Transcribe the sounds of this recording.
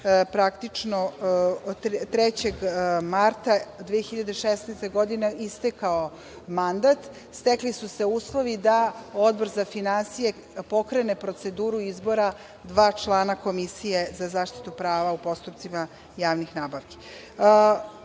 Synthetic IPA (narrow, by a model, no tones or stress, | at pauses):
pɾakt̪it͡ʂno | t̪ɾet͡ɕeɡmaɾt̪ad̪ʋeexiʎad̪eʃesnɛjst̪eɡo̞d̪ineist̪ekao | mand̪at̪ | st̪eklisuse̞uːslˠo̞ʋid̪ao̞d̪bo̞ɾzafinansije̞ | po̞kɾene̞pɾo̞t̪se̞d̪uːɾuizbo̞ɾa | d̪ʋaːt͡ʃlˠaːnako̞misije̞zazaːʃt̪i̥t̪upɾaːʋaupo̞st̪upt̪sima | jaːʋnixnaːbaʋki̥